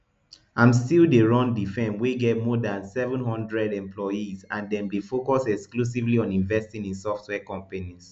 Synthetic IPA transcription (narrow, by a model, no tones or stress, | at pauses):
ãmstildeɹɔ̃ndifɛ̃nwiɡɛt̚mɔdãnsɛvə̃nhɔ̃ndɹɛdɛ̃mplɔjizãndɛ̃mdefokɔsɛksklus̬ivliɔ̃nĩnvɛstĩnĩnsɔftʰwɛkɔ̃mpaniz̥